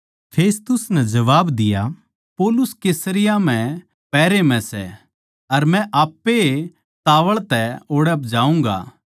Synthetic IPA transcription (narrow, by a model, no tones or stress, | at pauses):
pʰeːst̪ʊsnɛd͡ʒɐʋaːbd̪ɪja | poːlʊskeːsəɾɪjam̤ɛ̃ | pɛːɾemɛ̃sɛ̰ | ɐɾmɛ̃ʔaːpːe | t̪aːʋəɭt̪ɛoːɽɛpd͡ʒaːũːŋɡa̰ː